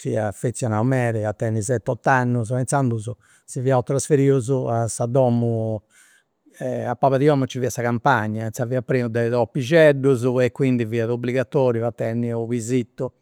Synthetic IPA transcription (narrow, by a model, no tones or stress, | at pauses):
fiafet̪sːjɔnaumɛːɾɛat̪ːɛnːizɛt̪ːɔt̪ːanːuzpɛnsand̪uzu | siviaut̪ɾasfeɾiːuzuasːad̪ɔːmu | ɛapːaːβaðiɔːmut͡ʃːiviasaɣampaɲːansaviapːɾiːnud̪ɛðɔpːid͡ʒɛɖːuzuɛkːwind̪iviːaðobliɣat̪ɔːɾjuat̪ːɛnːiuvizit̪ːu